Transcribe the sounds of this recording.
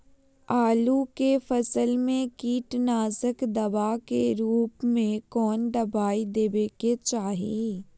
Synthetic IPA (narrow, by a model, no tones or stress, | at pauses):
aːlukefɐsəlmẽkiːʈnaːzəkd̪ɐbakeɾuːpmẽkɔːnɖ̪ɐbaːid̪eːbeket͡ʃaːɦe